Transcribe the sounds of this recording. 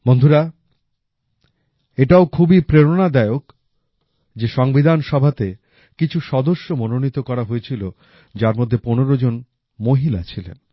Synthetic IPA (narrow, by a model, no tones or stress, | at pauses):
mond̪ʱuɾa | eʈaokʰubipɾeɾonad̪aeok | d͡ʑeʃɔŋbid̪ʱanʃɔbʱat̪e | kit͡ɕʰuʃɔd̪oʃːomononit̪okɔɾaɦoet͡ɕʰilo | d͡ʑaɾmod̪ʱːeponeɾod͡ʑon | moɦilat͡ɕʰilḛn